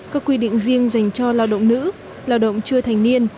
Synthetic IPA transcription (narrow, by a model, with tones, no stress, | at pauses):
kaː˦˥kːwi˧ɗḭ̈˧˨ŋ̟zi˧əŋza˨˩jŋ̟t͡ɕɔ˧laː˧˩wɗə̰˧˨wŋ͡mnɨ̰˧˥ | laː˧˩wɗə̰˧˨wŋ͡mt͡ɕɨ˧ət̪ʰa˨˩jŋ̟ni˧ən